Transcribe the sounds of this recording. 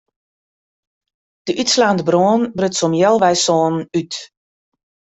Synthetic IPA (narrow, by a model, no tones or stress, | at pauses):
d̥əʔytslaːndəbroːnbrøtsɔmjɛlˠʋɛjsoːnənyt